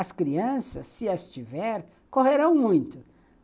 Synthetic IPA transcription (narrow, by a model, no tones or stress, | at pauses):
ɐskɾiɐ̃sɐsːɪɐst͡ʃivɛɾ | koɦeɾɐ̃w̃mũj̃t̪ʊ